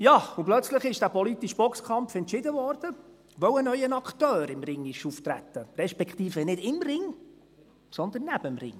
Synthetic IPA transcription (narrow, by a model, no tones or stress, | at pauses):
jɑːuplœt͡sləχɪʃd̥æːpɔlit̪iʃb̥ɔkskʰɑmfɛntʃɪd̪əvɔɾd̥ə | ʋœwənœʏənɑkt̪œːɾɪmɾɪŋːɪʃuft̪ɾæ̰t̪ːəɾɛʃpɛkχt̪iːfənɪdɪmrɪŋ | sɔnd̪ənːæb̥əmrɪ̰ŋ